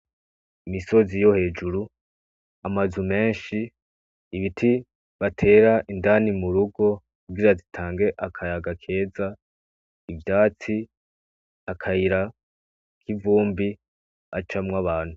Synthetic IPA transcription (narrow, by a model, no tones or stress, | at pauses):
imiso̞zijo̞he̞ːd͡ʒuɾu | amazume̞ːnʃiː | βitʰi | βatʰe̞ːɾaʔindanimuɾuɡo̞kuɡiɾazitʰaːŋɡe̞ʔakʰajaɡakʰe̞ːza | ivjaːt͡si | akʰaiɾa | kʰivuːmbi | at͡ʃamŋaβaːn̥hu